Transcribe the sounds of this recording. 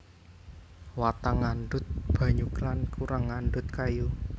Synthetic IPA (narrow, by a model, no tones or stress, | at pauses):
wat̪aŋanɖʊt̪̚b̥ä̤ɲuklankʰuɾaŋːanɖʊt̪̚kaju